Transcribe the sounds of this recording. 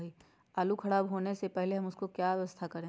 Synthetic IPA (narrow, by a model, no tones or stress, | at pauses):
i | aːlukʰɐɽaːbɦoːnesepɛɦleɦɐmʊskokjajɛʋəst̪ʰakɐɾẽ